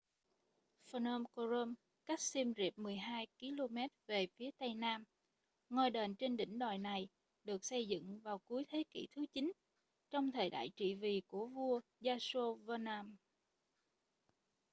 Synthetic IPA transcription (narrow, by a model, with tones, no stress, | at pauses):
fə˧nə˧mko˧zə˧m | ka˦˥k̟̚si˧mzḭ˨˩p̚mɨ˨˩əjɦaː˧jki˨˦lo˧mɛ˦˥t̚ve˨˩fi˨˦ət̪ə˧jnaː˧m | ŋo˧˩jɗe˨˩nt͡ɕe˧nɗḭ̈˧˩ŋ̟ɗaː˨˩jna˨˩j | ɗɨ˨˩ək̚sə˧jzɨ̰˧˨ŋvaː˨˩wku˨˦əjt̪ʰe˨˦kḭ˧˩t̪ʰɨ˨˦t͡ɕï˨˦n | t͡ɕɔ˧wŋ͡mt̪ʰəː˨˩jɗa̰ː˧˨jt͡ɕḭ˧˨vi˨˩ku˧˩əvu˧əzaː˧so˧vəː˧naː˧m